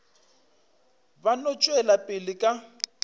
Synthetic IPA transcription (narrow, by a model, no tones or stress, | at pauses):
βanɔt͡ʃʼwɛlapʼɪlikʼa